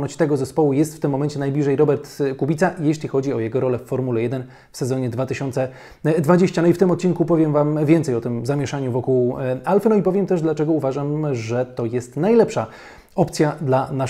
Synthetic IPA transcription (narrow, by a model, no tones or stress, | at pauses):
nɔt͡ɕt̪ɛɡɔzɛspɔwujɛst̪ft̪ɘmːɔmɛnt͡ɕɛnajblʲiʐɛjɾɔbɛɾt̪kubʲit̪sajeɕlʲixɔd͡ʑiɔjɛɡɔɾɔlɛfːɔɾmulɛjɛd̪ɛn | fsɛzɔɲɛd̪vat̪ɘɕɔnt̪sɛ | d̪vad͡ʑeɕt͡ɕanɔift̪ɘmɔt̪̚t͡ɕinkupɔvʲjɛmvamvʲjɛnt̪sɛjɔt̪ɘmzamʲjɛʂaɲuvɔkuwalfɛnɔipɔvʲjɛmt̪ɛʐd̪lat͡ʂɛɡɔuvaʐamʐɛt̪ɔjɛst̪najlɛpʂa | ɔpt̪sʲjad̪lana